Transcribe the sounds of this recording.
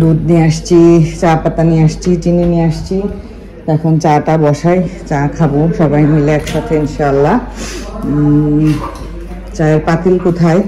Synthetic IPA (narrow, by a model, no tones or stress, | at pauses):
d̪ud̪niaʃt͡ɕʰit͡ɕapat̪aniaʃt͡ɕʰit͡ɕineniaʃt͡ɕʰi | t̪ɛkʰont͡ɕaʈabɔʃajt͡ɕakʰaboʃɔbajmileɛkʃat̪ʰeinʃaalːa | t͡ɕaeɾpat̪ilkot̪ʰae